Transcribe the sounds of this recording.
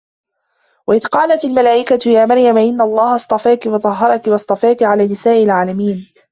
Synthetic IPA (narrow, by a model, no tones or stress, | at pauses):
waʔɪðqɑːlat̪almalaːʔɪkat̪jaːmɑɾˤjamaʔɪnːaɑlˤːɑːhɑsˤt̪ˤɑfaːkɪwɑt̪ˤɑɦːɑɾˤɑkɪwɑsˤt̪ˤɑfaːkɪʕalaːnɪsaːʔɪlʕaːlamiːn